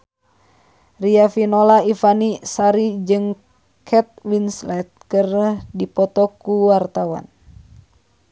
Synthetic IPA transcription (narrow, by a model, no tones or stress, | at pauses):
riafinolaifanisaɾid͡ʒɨŋ | kʰɛt̪̚winslɛt̪̚kərdipɔt̪ɔkuwart̪awa̰n